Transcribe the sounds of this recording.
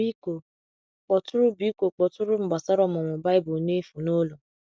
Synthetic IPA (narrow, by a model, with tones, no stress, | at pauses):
i˦ko˨ | k͡pɔ˨tʊ˦ɾu˦bi˨˦ko˨k͡pɔ˨tʊ˦ɾu˦ŋ͡m̩˨ɡ͡ba˨sa˦ɾɔ˦˨m˨ɔ˨wɔ̃˨ba˦i˦bo˨ne˦fu˨no˦lo˨